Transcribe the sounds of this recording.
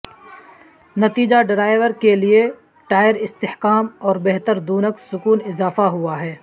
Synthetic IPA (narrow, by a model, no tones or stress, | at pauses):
nɐt̪iːd͡ʒaɖɪɾaːɪʋəɾkelie | ʈaːɪɾɪst̪ɪhkaːmɔːɾbɛɦt̪əɾd̪uːnəksʊkuːnɪzaːfaɦʊaɦɛː